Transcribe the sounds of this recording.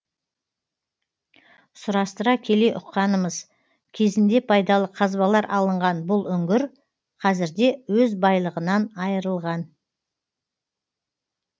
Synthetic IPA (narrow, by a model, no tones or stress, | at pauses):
sʊɾɑst̪əɾɑkʲʰe̞le̞ʔʊqːɑnəməz | kʲʰe̞zɪnd̪e̞pʰɑjd̪ɑlˠəqʰɑzbɑlˠɑɾʔɑlˠəɴʁɑnbʊlˠʏŋɡʲɪɾ | qʰɑzɪɾd̪e̞wɵzbɑjlˠəʁənɑnɑjəɾəlˠʁɑn